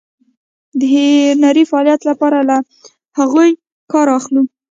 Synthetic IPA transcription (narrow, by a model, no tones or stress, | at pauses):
d̪əɦenaɾifaɑljat̪lapɑɾala | haɣuj | kɑɾɑxlu